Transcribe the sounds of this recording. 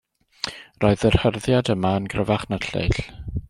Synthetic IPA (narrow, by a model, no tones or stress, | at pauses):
roːɨðər̥hərðjadəmaənɡrəvaχnaɬḛjɬ